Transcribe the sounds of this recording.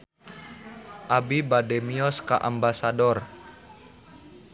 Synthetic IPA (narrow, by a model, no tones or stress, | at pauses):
ʔabibadɛmiɔskaʔambasadɔr